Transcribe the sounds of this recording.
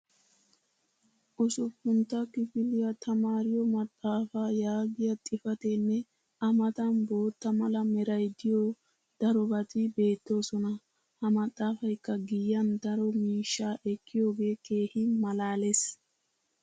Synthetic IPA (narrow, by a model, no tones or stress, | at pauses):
ʔʊsɔfːʊnt̪ːɐkɪfɪlɪjɐt̪ɐmaːɾɪjɔmɐt̪ʼːaːfajaːɡɪjɐt̪ʼɪfɐt̪ɛnːɛ | ʔɐmɐt̪ɐnbo̞ːt̪ːɐmɐlɐmɛɾɐjd̪ɪjo | d̪̥ɐɾɔbɐt̪ɪbe̞ːt̪ːo̞ːsɔnɐ | hɐmɐt̪ʼːaːfɐjkːɐɡɪjːɐnd̪ɐɾɔmiːʃːaːʔɛkʰːɪjo̞ːɡe̞ːke̞ːhɪmɐlaːles